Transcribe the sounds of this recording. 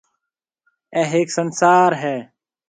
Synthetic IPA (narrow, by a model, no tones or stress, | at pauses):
ɛːɦeːksənsaːɾɦɛː